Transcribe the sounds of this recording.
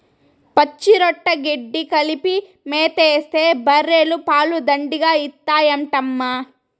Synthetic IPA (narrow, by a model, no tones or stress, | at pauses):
pɐt͡ʃːiɾɔʈːɐɡeɖːikɐlipi | meːt̪eːst̪e̞ːbɐɾeːlupaːlud̪ɐɳɖiɡaːit̪ːaːjɐɳʈɐmːa